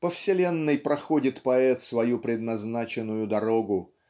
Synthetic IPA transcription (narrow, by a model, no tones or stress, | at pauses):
pəfsʲɪlʲe̞nːɨjpɾɐxodʲɪt̪pɐɛt̪svɐjupɾʲɪd̪nɐznat͡ɕɪnːʊjʊd̪ɐɾo̞ɡʊ